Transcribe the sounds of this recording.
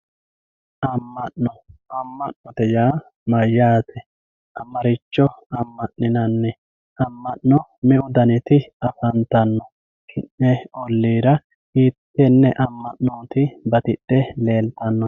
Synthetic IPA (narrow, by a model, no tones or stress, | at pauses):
ʔɐmːɐʔnɔɐmːɐʔnɔt̪ɛjaː | mɐjːaːt̪ʰɛ | ʔɐmɐɾɪt͡ʃːɔɐmːɐʔnːɪnɐnːɛ | ɐmːɐʔnɔmɪʔʊd̪ɐnɪt̪ɪɐfɐnt̪ɐnːɔ | kʰɪnːɛɔlːiːɾɐ | iːt̪ːɛnːɛʔɐmːɐʔnoːt̪ɪbɐt̪ɪɗːɛle̞ːlt̪ɐnːɔ